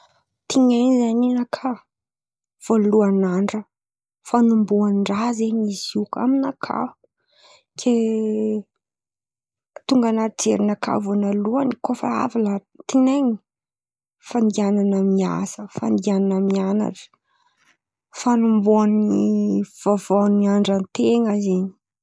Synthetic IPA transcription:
t̪iɲanizaɲinakʰa | v̥oluanaɳɖ͡ʐə | fanumbuanɳɖ͡ʐazeɲizika̰minakʰa̰ | kʰe | t̪uŋɡanaɾid͡zḛɾinakʰa̰vonaluanikofəa̰vala | t̪ineɲi | fand̪iananamia̰səfa̰nd̪iananamiana̰ʈ͡ʂə̥ | fanumbuaniiv̥avaniaɳɖ͡ʐant̪eŋəzeɲi̥

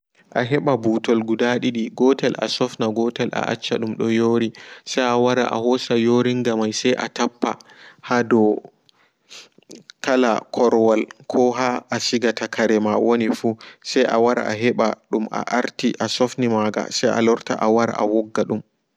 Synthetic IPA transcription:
ʔaɦɛɓabutɔlɡudaɗiɗiɡɔtɛlʔa̰sɔfnaɡɔtɛlʔa̰ʔa̰t͡ʃːaɗumɗɔjoːɾisajawaɾa̰ʔa̰hɔsajoɾiŋɡamajsajʔa̰tapːahadɔ | kala̰kʰɔɾwalkʰɔɦaʔasiɡatakʰaɾɛmawonifusajʔa̰waɾa̰ʔa̰ɦɛɓaɗumʔa̰ʔaɾtiʔasɔfnimaɡa̰sajʔa̰lɔɾta̰ʔawaɾa̰ʔawɔɡːaɗum

